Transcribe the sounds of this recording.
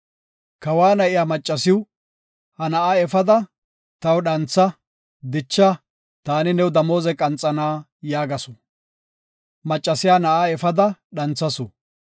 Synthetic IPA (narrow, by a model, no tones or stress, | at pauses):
kɐwaːnɐʔɪjaːmɐt͡ʃʼːɐsɪw | hɐnɐʔaːɛfɐd̪ɐ | t̪ɐwɗɐnt͡sːɐ | d̪ɪt͡ʃːɐ | t̪aːnɪnɛwd̪ɐmo̞ːzɛkʼɐnt͡sʼːɐnaː | jaːɡɐsɔ | mɐt͡ʃʼːɐsɪjaːnɐʔaːɛfɐd̪ɐɗɐnt͡sːɐsɔ